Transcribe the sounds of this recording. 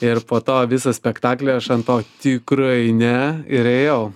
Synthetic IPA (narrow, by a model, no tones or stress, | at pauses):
ɪɾpoːt̪oːʋʲɪsɐsʲpʲɛkt̪ɑːklʲeːɐʃɐnt̪oːt̪ʲɪkɾɐɪnʲɛɪɾeːjɛʊ